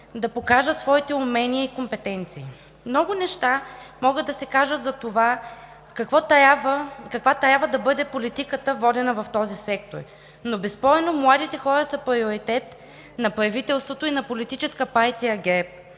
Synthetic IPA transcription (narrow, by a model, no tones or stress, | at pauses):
d̪ɐpokaʒət̪svɔit̪ɛumɛniəikompɛt̪ɛnt̪siː | mnɔɡʊnɛʃt̪amɔɡəd̪̚d̪ɐsɛkaʒət̪zɐt̪ova | kɐkvɔt̪avəkɐkvat̪ɾʲjabvəd̪ɐbɤd̪ɛpolit̪ikət̪əvɔd̪ɛnəvɐft̪ɔzisɛk̚t̪o̰ɾ | nobɛspɔɛnomlˠad̪it̪ɛxɔɾəsɐpɾioɾit̪ɛt̪ | nɐpɾɐvit̪ɛlˠst̪vot̪oinɐpolit̪it͡ʃɛskəpaɾt̪iɐɡɛp̚